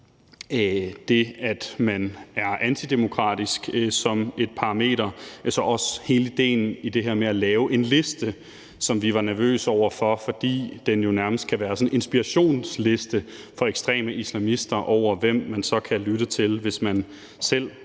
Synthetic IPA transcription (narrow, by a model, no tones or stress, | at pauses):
d̥e̝æd̥mænæɐʔænt͡sʰid̥e̝mo̝kʰʁɑ̰̈ːd̥isɡ̥sɒ̽me̝d̥̚pʰɑ̈ʁɑ̈me̝̰ːɾ̥ɐesɒ̽ʔɒ̽she̝ːləid̥e̝̰ːn̩id̥e̝ɦeɐ̰meælɛːʊʔe̝nle̝sd̥ə | sɒ̽mʋiʋɑ̈næɐʋø̰ːsɒʊ̰ɐfɒ̽fɒ̽d̥ḭːd̥enjo̝næɐməsd̥̚kʰæʋæːɐsɒ̽ne̝nsb̥iʁɑɕo̝̰ːnsle̝sd̥ə | fɒ̽eɡ̥sd̥ʁɛ̰ːməʔislæmisd̥ɐʔɒʊ̰ɐʋem̰ːænsɒ̽kʰælyd̥ət͡sʰe̝lʋe̝smæn | sel̰